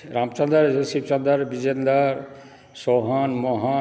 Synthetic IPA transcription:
ɾamt͡ʃand̪aɾesib̚t͡ʃand̪aɾbid͡ʑend̪aɾ | soɦanmɔɦa

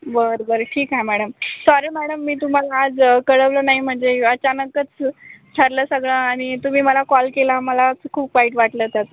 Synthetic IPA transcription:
bəɾbəɾʈʰiːkɦaemæɽəmsɔɾiːmæɽəmːiːt̪um̤alaːd͡zkəɽəʋləːnaɦim̤əɳd͡zeət͡ɕanəkət͡st͡ɕʰəɾləːsəɡɭãːɽ̃it̪um̤iːməlakɔlkelaməlat͡skʰuːp̚ʋaiʈʋaʈləːt̪jat̪

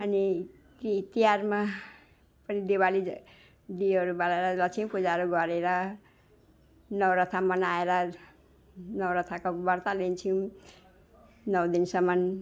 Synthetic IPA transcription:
ʌni | it̪ijarma | pʌnid̪ewali | d̪iʌɾubalaɾʌlʌt͡sʰiw̃pud͡zaɾoɡʌɾeɾʌ | nʌwɾʌt̪ʰamʌnaeɾʌ | nʌwɾʌt̪ʰakobʌɾt̪alent͡sʰĩ | nʌwd̪insʌmʌn

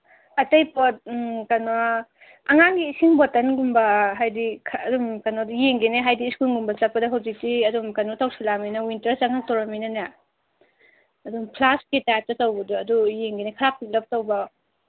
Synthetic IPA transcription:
ɐtɐjpɔt̚kanwa | ɐŋaŋɡiːsiŋbɔtɐnɡumbɐɦajdikʰːdumkanɔjeŋɡeneɦajdiːskulŋɡumbɐt͡ʃapːɐdɐɦawzik̚tiɐdumkanɔtʰawsulaminɐwintɐɾt͡ʃaŋak̚tɔwɾamijnɐna | ɐdumpʰlaskitajp̚tɐtawbɐduɐdujeŋɡenekʰaɾap̚ʰːit̚lɐp̚tawbɐ

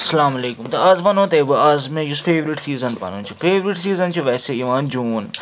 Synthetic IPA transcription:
ɐsɐlaːmɐleːkʊmt̪ɐɐzʋɐnõːt̪eːbɨɐzmɛ̃ːd͡ʒʊsfʰeːʋɾɪʈsiːzɐnpɐ̰nũːt͡ʃʰufʰeːʋɾiʈsiːzɐnt͡ʃʰuʋɛːseiʋãːnd͡ʒuːn

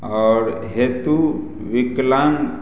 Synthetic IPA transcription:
ɔːɾɦeːt̪u | ʋɪklan

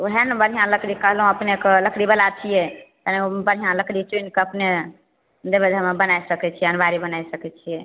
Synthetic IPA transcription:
uɦenbəɾɦijãləkɾikəɦlɦũəpnekeləkɽibəlat͡ʃʰijɛt̪ənebəɾɦijãləkɽit͡ʃoinkeəpne | d̪ebed̪ʱəmebənajsəkɛt͡ʃʰijɛənbaɾibənajsəkɛt͡ʃʰijɛ

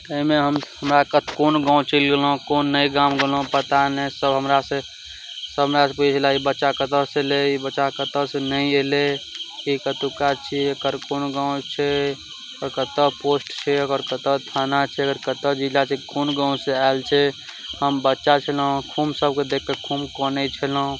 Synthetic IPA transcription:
əimeɦəmhəmɾakət̪ʰkonɡãũt͡ʃilɡelõkonːəiɡamɡelɦõpət̪anesəbɦəmɾasẽ | səbʱɦəmɾasẽpuit͡ʃʰlaibətːʃakət̪əseleibətːʃakət̪əsẽnəieleikət̪ukat͡ʃʰiekəɾkonɡãũt͡ʃʰɛ | ɔɾkət̪əposʈt͡ʃʰɛəɡəɾkət̪ət̪ʰanat͡ʃʰɛəɡəɾkət̪əd͡ʒid͡ʒat͡ʃʰɛkʰonɡãũseaelt͡ʃʰɛ | həmbətːʃat͡ʃʰəl̃kʰumsəb̚ked̪ekːekʰumkɔnet͡ʃʰelõ

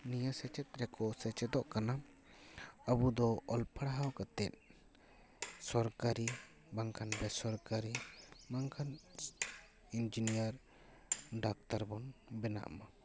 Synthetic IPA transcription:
nijasɛt͡ʃɛt̪̚ɾɛkɔsɛt͡ʃɛt̪ɔʔkana | abud̪ɔɔlpʰaɽaɦawkat̪ɛt̪̚ | sɔɾkaɾi | baŋkʰanbɛsɔɾkaɾimaŋkʰan | ind͡ʒinijaɾ | ɖak̚t̪aɾbɔnbɛna̰ʔma

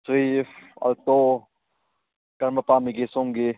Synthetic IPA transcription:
sɾiːfɐ̰lt̪oː | kɐɾməpaːmiɡesõŋɡe

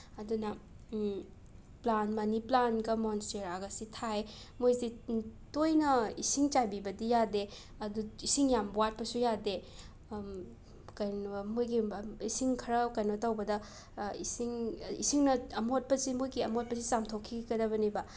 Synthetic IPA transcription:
ɐdunɐ | planmɐniplanɡɐmonsteɾaɡɐsitʰaj | mojzitojnɐisiŋt͡ʃajbibɐdijade | ɐduisiŋjambuwat̚pɐsujade | kɐjnmujɡiisiŋkʰɐɾɐkɐjnotɐwbɐdɐ | isiŋḭsiŋnɐɐmot̚pɐzimujɡiɐmot̚pɐzit͡ʃamtʰokʰːiɡɐdɐβɐnibɐ

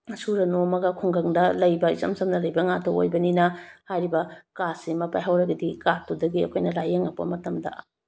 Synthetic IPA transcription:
suɾɐnoɐmɐɡɐkʰuŋɡɐŋdɐlɐjbɐisɐ̰msɐmnɐlɐjbɐŋatʰoo̰jbɐninɐhajɾibɐkasimɐpajɦawɾɐɡɐdikatudɐɡiɐ̰kʰojnɐlajeŋɐpːɐ̰mɐtɐmdɐ̰

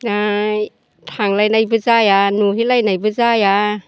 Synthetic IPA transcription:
a | tʰaŋlajnajbɯzajanuɦilajnajbɯzaja

